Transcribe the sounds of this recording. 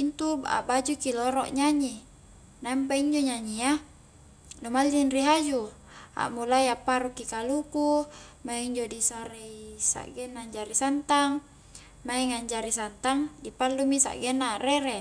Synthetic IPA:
int̪ubaa̰bad͡ʒukiloɾɔʔɲaɲi | namp̬aiɲd͡ʒoɲaɲia | nomalːinriɦad͡ʒu | a̰ʔmulaiapːaɾukːikalukumaiɲd͡ʒodisaɾeisa̰ʔɡɛnːaɲd͡ʒaɾisant̪aŋ | maiŋaɲd͡ʒaɾisant̪aŋdipalːumisa̰ʔɡɛnːaːreɾe

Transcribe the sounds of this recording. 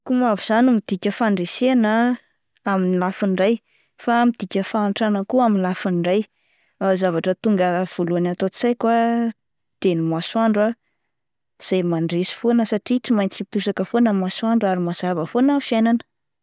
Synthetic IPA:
kumaviz̥animid̪̥ikʲəfaɳɖ͡ʐesenə | aminilafiɳɖ͡ʐaj | famid̪̥ikʲəfanʈ͡ʂanəkuaminlafinɖ͡ʐaj | azavaʈ͡ʂət̪uŋɡəv̥oluanat̪ot͡si̥sajkwa | d̪̥enimaswaɳɖ͡ʐa | z̥ajmaɳɖ͡ʐesi̥fonəsaʈ͡ʂiʈ͡ʂimajnt͡sipusakəfonəmaswaɳɖ͡ʐaɾimaz̥avəfonəfijananə̥

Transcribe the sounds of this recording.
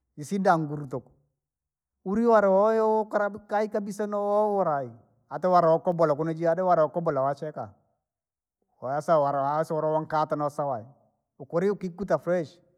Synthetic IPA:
jisindaŋɡuɾtʊk | uɾiwaɾɛwɔjɔkaɾakaikabisanɔwɔwɔɾai | atɛwaɾwɔkɔbɔlak̬ʊnad͡ʒiadɛwaɾwɔkɔbɔlawat͡ʃɛka | wɔjasawaɾaswɔɾɔwaŋkatanɔsawai | ʊkʊɾiʊkikːutafɾɛʃ

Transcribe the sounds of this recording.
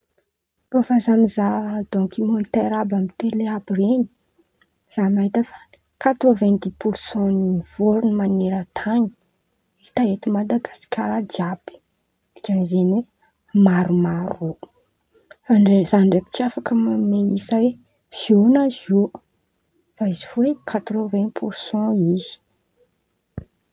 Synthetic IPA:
kofazamizad̪̥ɔŋkimɔnt̪eɾabamit̪eleabireni̥ | z̥amaɦit̪əfḁ | kat̪rovɛ̃nd̪ipuɾsɔ̃niv̥oɾunimaneɾət̪ʰaɲi̥ | it̪aet̪umad̪aɡasi̥kʲʰaɾad͡ʒiabi̥ | ɡanizenwe | maɾumaɾo | aɳɖ͡ʐezaɳɖ͡ʐepi̥t͡siafakəmameisawe | z̥ionazo | faizivoekʰat̪ɾovɛ̃npʰuɾsɑ̃iz̥i̥

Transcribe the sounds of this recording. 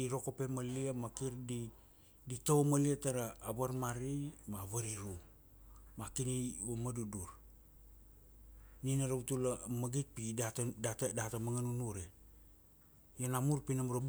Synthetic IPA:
iɾo̞ko̞pemaliamakiɾdi | ditowmaliataɾaːβaɾmaɾimaβaɾiɾu | makiniomaduduɾ | ninaɾautulamaɡit̚pidadatdatamaŋanunuɾe | janamuɾpinamɾab

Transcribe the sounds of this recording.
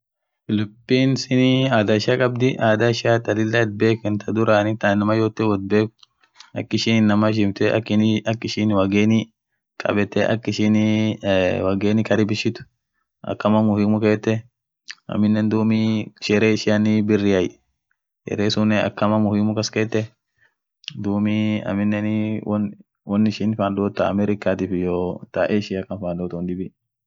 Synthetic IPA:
lʊpːiːnsɪniaːd̪ɐɪʃɐkʼɐbd̪ɪʔaːd̪aɪʃaːt̪ɐlɪlːɐd̪̚beːkɪnt̪ʰɐd̪ʊɾaːnɪt̪anɐmɐjoːt̪ːɛwɔd̪̚beːkʊ̥ | ɐkːɪʃɪnɪnːɐmɐʃ̬ɪmt̪ɛɐ̰kːɪnɐkːɪʃɪnwɐɡeːnɪ | kʼɐ̰bɛt̪ːɛʔɐ̰kːɪʃɪn | wɐɡeːnɪkɐɾɪbɪʃːɪt̪ʊ̥ | ʔɐ̰kːɐmɐmʊhɪmʊkeːt̪ːɛ | ɐ̰mɪnːɛnd̪uːmiʃɛɾeːɪʃɪɐnɪbɪrːɪɐj | jɛ̰ɾeːsʊnːɛɐ̰kːɐmɐmʊhɪmːʊkɐskeːt̪ːɛ | d̪uːmiɐ̰mɪnːɛnwn | wɔnːɪʃɪnfaːnd̪oːt̪ːaɐmɛɾɪkaːt̪iːfɪjoːt̪aʔeːɪʃɪɐkːɐnfaːnd̪oːt̪ɐnd̪ɪbɪ

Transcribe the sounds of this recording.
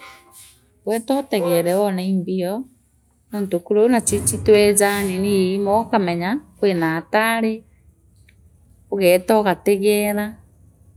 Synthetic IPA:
wɛtɔtɛɣɛɾɛɔnaimbiɔ | noːntokuɾonat͡ʃit͡ʃitwɛzaniniimɔkamɛɲakwenataɾe | oɣɛtɔɣatɛɣɛːɾa

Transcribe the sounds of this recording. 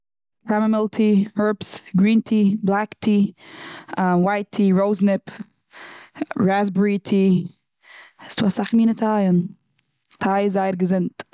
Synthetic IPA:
pʰɾamamɪlˠtʰihɜɹpsɡɹiːntʰiːblˠaktʰiː | waɪtʰiːɹoʊznɪp | ɹazbəɹitʰiː | stuːasaχmiːnətʰajən | tʰaɪzaɪəɾɡəzɪnt

